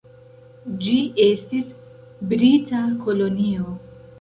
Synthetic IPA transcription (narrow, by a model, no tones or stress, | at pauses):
d͡ʒiestis | bɾitakʰo̞lo̞nio